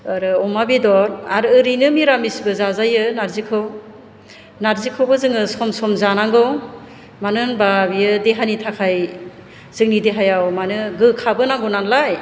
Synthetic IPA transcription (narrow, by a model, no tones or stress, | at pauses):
ɯɾɯɔmabidɔɾaɾɯɯɾijnɯmiɾamisbɯzazajɯnaɾzikʰɯw | naɾzikʰɯwbɯzɯŋɯsɔmsɔmzanaŋɡɯw | manɯnbabijɯdeɦanitʰakʰaj | z̥ɯŋnideɦajawmanɯɡɯkʰabɯnaŋɡɯwnanlaj